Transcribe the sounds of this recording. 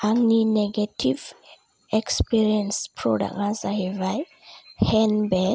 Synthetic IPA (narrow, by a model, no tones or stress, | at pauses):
aŋnineɡatʰiv | ɛkspiɹiãnspʰɹɔ̰da̰kãsahivaj | hɛnbɛ